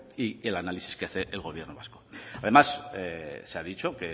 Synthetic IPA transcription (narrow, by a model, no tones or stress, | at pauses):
ielanalisi̥skeaθe̞ʔelɣ̞o̞β̞je̞ɾno̞βasko̞að̞e̞mas | seaðit͡ʃo̞ke̞